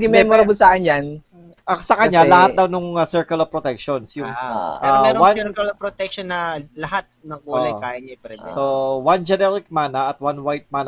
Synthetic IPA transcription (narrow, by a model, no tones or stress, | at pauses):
ɡɪmɛmoɾɐbʊsaʔɐnjan | ʔɐsɐkɐɲɲalɐhat̪̚d̪ɐwnʊŋɐsɛɹkɐlopɾot̪ɛk̚ʃonsjʊŋɛɾomɛːɾowansɛɾkɐlopɾot̪ɛk̚ʃonːɐlɐhat̪̚nɐŋkuːlɐjkaːjɐɲɐpɾɛd̪sowand͡ʒɛnɛɾɪk̚maːnɐʔɐt̪̚wanwajt̪̚maːn